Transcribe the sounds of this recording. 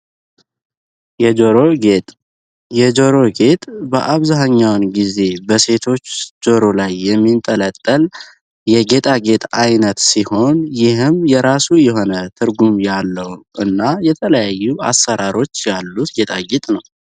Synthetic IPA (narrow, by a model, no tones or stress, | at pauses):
jɛd͡ʒoɾoɡet̪ʼ | jɛd͡ʒoɾo̞ɡe̞t̪ʼbəʔaβzaɦaɲːawnɡize̞bəse̞t̪ʰo̞t͡ʃːd͡ʒo̞ɾo̞lajːɛmːint̪ʼələt̪ʼːəl | jɛɡe̞t̪ʼaɡe̞t̪ʼajnət̪siho̞njɪɦɨmjɛɾasujɛɦo̞nət̪ʰɨɾɡumjalːəwʔɨnːajɛt̪ʰələjajːua̰sːəɾʔaɾo̞t͡ʃːjalːut̪ɡe̞t̪ʼaɡe̞t̪ʼnəw